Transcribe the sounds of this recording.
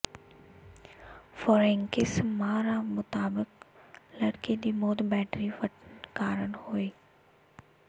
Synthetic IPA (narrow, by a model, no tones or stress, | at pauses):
foːɾẽŋkɪsmãɾamʊt̪aːbɪklɐɽkid̪imoːd̪bɛːʈɾiʋɐʈnkaːɾənhoːiː